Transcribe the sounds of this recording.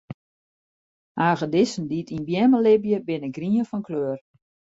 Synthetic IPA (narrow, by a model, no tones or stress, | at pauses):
aːɣədɪsən̩ditʰinbjɛməlɪbjəbɪnəɡriənfɔnkløːər